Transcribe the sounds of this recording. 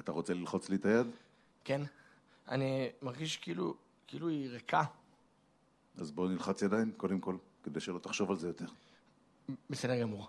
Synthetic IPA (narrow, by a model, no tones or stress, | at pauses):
at̪aʁo̞t͡se̞lilχo̞t͡slit̪ajad̪ | ken | a̰nimaʁɡiʃkilṵ | kiiluiʁekʰa | azbo̞nilχat͡sjad̪ainko̞d̪emko̞l | ked̪ejʃelo̞t̪aχʃo̞valzejot̪e̞ʁ | besedeʁɡamuʁ